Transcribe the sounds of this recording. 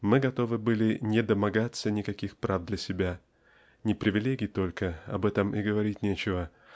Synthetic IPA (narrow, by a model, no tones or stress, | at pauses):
mɨɡɐt̪o̞vɨbɨlʲɪnʲɪd̪əmɐɡat̪sənʲɪkɐkʲixpɾavd̪lʲɐsʲɪbʲa | nʲɪpɾʲɪvʲɪlʲeɡʲɪjt̪o̞lʲkəɐ̰bɛt̪əmɪɡəvɐɾʲitʲnʲet͡ɕɪvə